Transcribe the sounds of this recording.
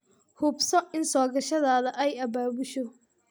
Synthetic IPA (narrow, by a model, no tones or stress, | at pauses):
hʊbsɔʔɪnsɔːɡɐʃɐðaːðɐʔɛjɐbaːβʊʃɔ